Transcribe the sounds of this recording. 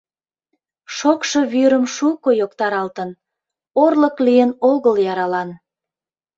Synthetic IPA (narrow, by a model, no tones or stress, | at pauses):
ʃokʃo̽βyɾəmʃukojokt̪ɑɾɑlt̪ən | orləklijənoɣəljɑɾɑlɑn